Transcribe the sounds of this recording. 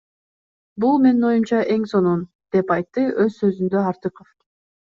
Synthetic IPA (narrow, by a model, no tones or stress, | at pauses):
bulˠme̞nino̞jumt͡ʃɑʔe̞ŋso̞nun | d̪̥e̞pɑjt̪ːɯø̞zsø̞zynd̪øɑɾt̪ɯqof